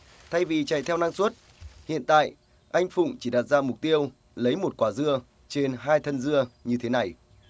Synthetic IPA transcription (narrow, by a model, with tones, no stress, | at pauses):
t̪ʰa˧jvi˨˩t͡ɕa̰˧˨jt̪ʰɛ˧wna˧ŋswə˦˥t̚ | hḭ˧˨ənt̪a̰ː˧˨j | ʔa˧jŋ̟fʊ̰˧˨ŋ͡mt͡ɕi˧˩ɗaː˨˩t̚zaː˧mʊ˨˩k͡p̚t̪i˧əw | lə˨˦jmo˨˩t̚kwaː˧˩zɨ˧ə | t͡ɕe˧nɦaː˧jt̪ʰə˧nzɨ˧əɲɨ˧t̪ʰe˨˦na˨˩j